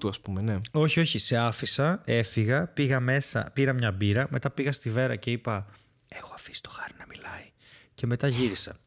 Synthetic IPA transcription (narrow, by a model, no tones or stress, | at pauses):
t̪uɐspumene̞o̞çio̞çise̞ɐfisɐe̞fiɣɐpiɣɐme̞sɐ̰piɾɐmɲɐbiɾɐme̞t̪ɐpiɣɐst̪ive̞ɾɐce̞ipɐ | e̞xoɐfi̥si̥t̪o̞xɐɾinɐmilɐi | ce̞me̞t̪ɐʝiɾisɐ̰